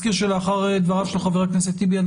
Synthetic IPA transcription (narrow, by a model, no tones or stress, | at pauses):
kiʁʃeleaχaʁed̪vaʁavʃelχaveaknes̬et̪ibian